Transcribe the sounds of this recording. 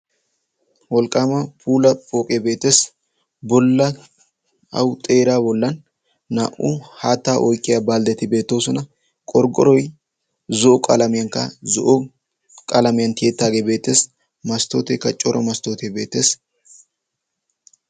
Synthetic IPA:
wɔlkʼaːmɐpʰuːlɐpʼoːkʼebe̞ːt̪ːe̞ːs | bɔlːɐ | ɐ̰wt̪ʼe̞ːɾaːbɔlːɐnː | a̰ːʔʊhaːt̪ːaːʔɔjkʼːɪjaːbaːld̪ɛt̪ɪbe̞ːt̪ːo̞ːsɔnɐ | kʼɔɾɡɔɾɔj | zɔʔɔkʼɐlɐmɪjɐŋkɐ̰zɔʔɔ | kʼɐlɐmɪjɐnt̪ʰɪet̪ːaːɡeːbe̞ːt̪ːeːs | mɐst̪oːt̪ekːɐt͡ʃʼɔɾʔɔmɐst̪o̞ːt̪ebe̞ːt̪ːe̞ːs

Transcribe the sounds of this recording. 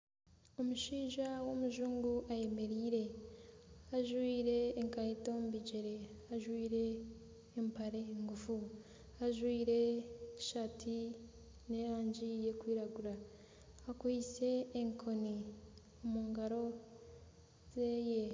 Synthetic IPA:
omuʃiːʒawo̞muʒuːŋɡuʔaje̞me̞ɾiːɾe̞ | aʒwiːɾe̞ːŋkajito̞mbiɟeɾe̞aʒwiːɾe̞ː | mpaɾe̞ŋɡufu | aʒwiːɾe̞ʃatʰi | ne̞ɾaːɲd͡ʒije̞kwiːɾaɡuɾaː | kwit͡se̞ːŋkʰo̞ni | omuːŋɡaɾo̞ | zeje

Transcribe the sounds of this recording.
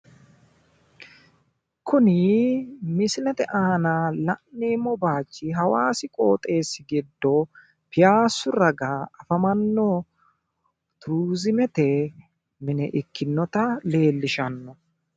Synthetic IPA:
kʰʊnɪ | mɪsɪnɛt̪ɛʔaːnalɐʔːeːmɔbaːt͡ʃːɪɦɐwaːsɪkʼo̞ːt̪ʼe̞ːsːɪɡɪd̪ːɔ | pɪjaːsːʊɾɐɡaɐfɐmɐnːɔ | t̪ʊɾuːzɪmɛt̪ɛ | mɪnɛʔɪkːɪnːɔt̪ɐle̞ːlːɪʃɐnːɔ

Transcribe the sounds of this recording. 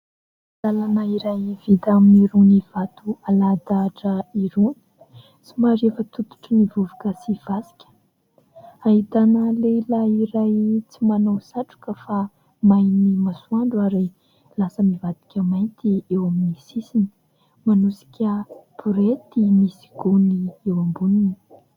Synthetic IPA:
lalanəiɾajv̥id̪aminiɾuniv̥at̪ualad̪aʈ͡ʂəiɾuni̥ | t͡simaɾefət̪ut̪u̥ʈ͡ʂənivuvakəsiv̥asi̥kʲə̥ | ait̪anəleilaiɾajt͡simanawsaʈ͡ʂu̥kəfa | majnimasuaɳɖ͡ʐaɾe | lasəmivad̪i̥kʲəmajnt̪iewaminisisini̥ | manusi̥kʲʰəb̥uɾet̪imisi̥ɡuniewambunini

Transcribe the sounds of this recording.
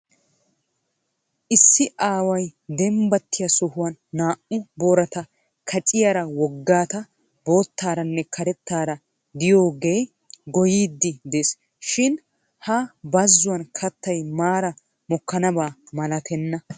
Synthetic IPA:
ʔɪsːɪʔaːwɐjd̪ɛmbɐt̪ːɪjɐsɔhʊwɐnːaːʔʊboːɾɐt̪ɐ | kʰɐt͡ʃʼɪjɐɾɐwɔɡːaːt̪ɐ | bo̞ːt̪ːaːɾɐnːɛkʰɐɾɛt̪ːaːɾɐ | d̪ɪjo̞ːɡe̞ː | ɡɔjiːd̪ːɪd̪es | ʃɪn | hɐbɐzːʊwɐnkʰɐt̪ːɐjmaːɾɐ | mɔkːɐnɐbaːmɐlɐt̪ɛnːɐ

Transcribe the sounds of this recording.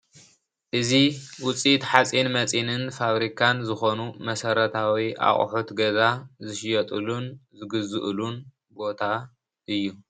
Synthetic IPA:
ʔɨziwʊt͡sʼit̪ħat͡sʼinmɐt͡sʼinɨnfaβɾikʰanzɨxo̞numɐsɐɾɐt̪ʰawiʔa̰χʼħut̪ɡɐzazɨʃjɐt̪ʼɨlunzɨɡɨzɨʔlun | bo̞t̪ʰa | ʔɨjːu

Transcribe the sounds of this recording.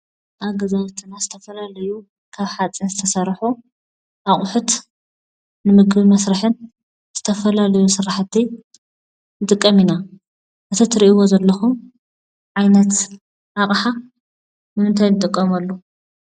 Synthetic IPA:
ʔaɡɐzaβt̪ʰɨnazɨt̪ʰɐfɐlalɐju | kʰaβħat͡sʼinzɨt̪ʰɐsɐɾħu | ʔaχʼʊħut̪ | nɨmɨɡβimɐsɾɨħɨn | z̥ɨt̪ʰɐfɐlalɐjusɨɾaħt̪ʰːi | nɨt̪ʼɨkʼːɐmina | ʔɨt̪ʰɐt̪ʰɨɾiʔiwo̞zɐlːɐxum | ʕajnɐt̪ | ʔaχʼħa | nɨmɨnt̪ʰajnɨt̪ʼɨkʼːɐmɐlːo

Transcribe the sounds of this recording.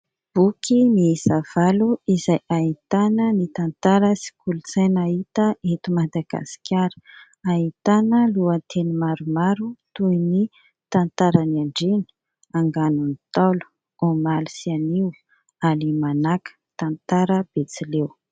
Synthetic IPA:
b̥ukʰimizav̥aluizajaɦit̪anənit̪ant̪aɾəsi̥kʰulut͡sajnait̪əet̪umad̪aɡ̥a̰si̥kʲaɾə̥ | aɦit̪anəluant̪ʰenimaɾumaɾut̪uini | t̪ant̪aɾanaɳɖ͡ʐeni̥ | aŋɡanunit̪alu̥ | omalisianiw | alimanakə̥t̪ant̪aɾəb̥et͡silew

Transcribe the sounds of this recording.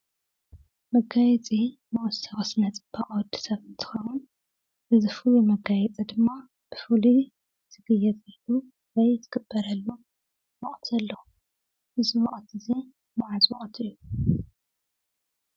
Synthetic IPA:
mɐɡajɛt͡sʼimɐʔʼst̪ʰɐɣʼɐsnɐt͡sʼɨb̥aʔʼwɔd̪i̥sɐβɨnt̪ʰɨ̥xɐwun | ʔɨzɨfulumɐɡajɛt͡sʼid̪ɨmːa | b̥ɨfuli | t̪ʰɨɡɨjɛt̪ɐlu | wɐjt̪ʰɨɡ̥ɨb̥ːɐɾɐlːu | mɔʔʼt̪ʰɐlːɐ | ʔɨzimɐχʼt̪ʰɨzi | maʕazwɐ̰χʼt̪ʰɨjːu

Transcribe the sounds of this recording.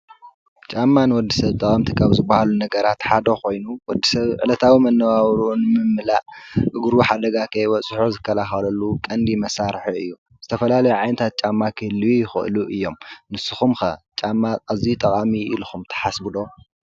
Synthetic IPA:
t͡ʃʼamːanɨwɔd̪ːisɐβt̪ʼɐkʼamt̪ʰikʰaβzɨbːahalunɐɡɐɾat̪ħad̪oko̞jnuwɔd̪ːisɐβʕɨ̰lɐt̪ʰawimɐnːɐβaβɾunɨmɨmːɨlaʔʔɨɡɾuħad̪ɐɡakʰɐjwɔt͡sʼħozɨkʰːɐlaxɐlɐlːukʼɐnd̪imɐsaɾħiɨ̰jːu | z̥ɨt̪ʰɐfɐlalɐjuʕajnɨt̪ʰat̪̚t͡ʃʼamːakʰɨlijɪxɨ̰ʔɨ̰luʔɨjːo̞mnɨsɨxumxɐt͡ʃʼamːaːzit̪ʼɐkʼamiḭlxumt̪ʰɐ̥ħasbɨd̪o̞

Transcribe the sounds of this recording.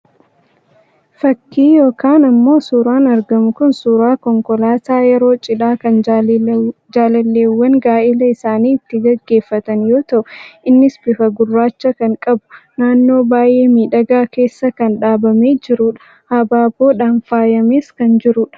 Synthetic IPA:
fɐkːiːjo̞ːkaːnɐmːo̞ːsuːɾaːnɐɾɡɐmʊkʊnsuːɾaːkɔŋkɔlaːt̪aːjɛɾo̞ːt͡ʃʼɪᶑaːkɐn | d͡ʒaːlɐlːeːwːɐŋɡaːʔɪlɐɪsaːniːɪt̪ːɪɡɐɡːe̞ːfːɐt̪ɐnjo̞ːt̪ɐʔʊʔɪnːɪsbɪfɐɡʊrːaːt͡ʃːɐkɐŋkʼɐbʊ̥naːnːo̞ːbaːjʔe̞ːmiːᶑɐɡaːke̞ːsːɐkɐnᶑaːbɐmeːd͡ʒɪɾuᶑɐ̥ | hɐbaːbo̞ːᶑaːnfaːjɐmeːskɐnd͡ʒɪɾuːᶑɐ̥

